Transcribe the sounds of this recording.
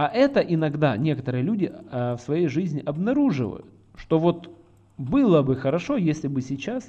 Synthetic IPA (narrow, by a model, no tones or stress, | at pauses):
aʔɛt̪əʔɪnɐɡd̪anʲe̞kət̪əɾɨjəlʲudʲɪfsvɐjejʐɨzʲnʲɪʔɐbnɐɾuʐɨ̰və̰jʊ̰t̪ʂt̪o̞vot̪ | bɨlˠəbɨxəɾɐʂo̞jesʲlʲɪbɨsʲɪt͡ɕas